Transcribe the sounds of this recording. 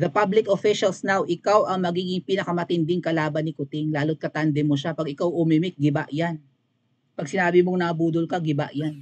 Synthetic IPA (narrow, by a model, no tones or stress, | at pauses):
ðɐpablɪkofɪʃɐlsnawʔɪkawʔɐŋmɐɡiːɡɪŋpinɐkɐmɐt̪ɪnd̪ɪŋkɐlaːbɐnɪkʊt̪ɪŋlaːlot̪̚kɐt̪and̪ɛmoʃapɐɡɪkawʔʊmimɪk̚ɡɪba̰ʔjan | pɐɡ̚sɪnaːbɪmoŋnɐɐbuːd̪ʊlkɐɡɪba̰ʔjan